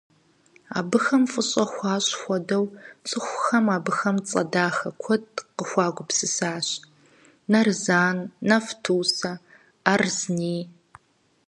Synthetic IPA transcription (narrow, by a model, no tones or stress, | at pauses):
a̰ːbɨxɐmfʼɨɕʼɐxʷɑːɕʼxʷɔdɐwt͡sʼɨxʷxɐmaːbɨxɐmt͡sʼɐ̰daːxɐkʷʰɔdqəxʷɑːɡʷʊpsɨsaːɕ | nɐrzaːnːɐftʰuːsɐː | rzniː